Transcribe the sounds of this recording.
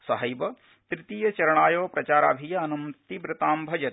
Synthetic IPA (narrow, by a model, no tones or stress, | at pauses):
sɐɦɐjbɐ | t̪ɾɪt̪iːjɐt͡ʃɐɾɐɳaːjoːpɾɐt͡ʃaːɾa̰ːbʱijɐɐnɐmt̪ibɾɪt̪aːmbʱɐd͡ʒɐ